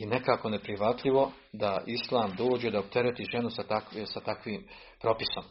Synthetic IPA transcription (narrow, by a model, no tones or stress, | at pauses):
jenekaːko̞ne̞pɾiʋat̪ʎʲiʋo̞ | d̪aʔislˠaːmd̪o̞ːd͡ʑe̞d̪aob̚t̪e̞ɾet̪iʒe̞nusat̪akːsat̪akʋiːm | pɾo̞piso̞m